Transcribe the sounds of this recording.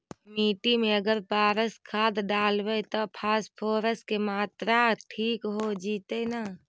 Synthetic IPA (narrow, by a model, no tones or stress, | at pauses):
miːʈimẽəɡəɾpaːɾəskʰaːd̪ɖaːlʋet̪opʰaːspʰoːɾəskemaːt̪ɾaʈʰiːkɦod͡ʒiːt̪enaː